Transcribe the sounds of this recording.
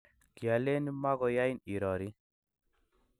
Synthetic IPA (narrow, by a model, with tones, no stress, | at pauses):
kja˨le˦ni˦ma˦ɡɔ˨ja˦jni˨ɾɔ˨ɾi˦